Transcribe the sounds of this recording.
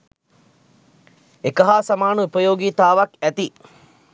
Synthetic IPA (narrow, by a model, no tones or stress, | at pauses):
ekəɦaːsamaːnəupɐjoːɡiːt̪aːʋakæt̪i